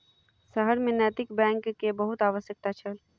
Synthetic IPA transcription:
səɦəɾmẽnɛːt̪ɪkbɛ̃ːŋkːebəɦʊt̪aːʋəsjək̚t̪at͡ʃʰəl

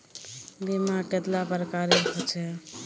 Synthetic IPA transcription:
bimaket̪lapəɾkaɾeɾkʰɔt͡ʃʰɛ

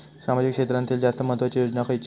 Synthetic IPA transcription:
samad͡ʑikʂet̪ɾant̪iːld͡zast̪əmə̃ɦət̪ʋat͡ɕijod͡ʑnakʰəjt͡ɕ

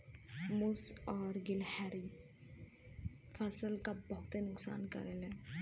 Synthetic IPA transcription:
mʊsɔːɾɡɪlhɛːɾi | fʰɐsəlkabɐɦʊt̪enʊksa̰ːnkɐ̰ɾele

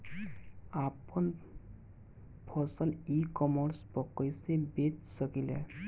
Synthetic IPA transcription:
apən | pʰɔsəlikɔməɾspɔkːəjsebet͡ʃsəkilḛ

